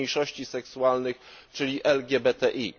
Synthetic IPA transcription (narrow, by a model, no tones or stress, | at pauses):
ejʂɔɕt͡ɕisɛksuwalnɘxt͡ʂɘlʲiʔɛlɡʲjɛbɛt̪ɛʔi